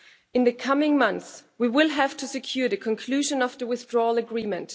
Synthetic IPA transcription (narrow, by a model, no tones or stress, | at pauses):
ɨ̃nðɨkʰʌmɪ̃ŋmʌ̃nθswiwɪlˠɦæv̥tʰɨsɨkʰj̥uɹðɨkʰɨ̃nkʰl̥ʉʒɨ̃nʌvðəwɪθdɹɔlˠəɡɹĩmɨ̃nt